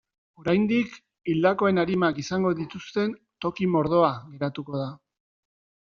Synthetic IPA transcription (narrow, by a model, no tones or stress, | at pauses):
o̞ɾajnd̪ik | ild̪ako̞e̞naɾimakisaŋɡo̞ðit̪ust̪e̞n | t̪o̞kimo̞ɾð̞o̞aɣe̞ɾat̪uko̞ð̞a